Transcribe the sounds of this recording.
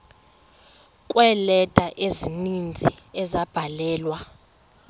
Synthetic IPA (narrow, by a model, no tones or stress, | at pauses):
kʼwɛlɛtʼaʔezinind͡zʱiɛzab̥ʱalɛːlwa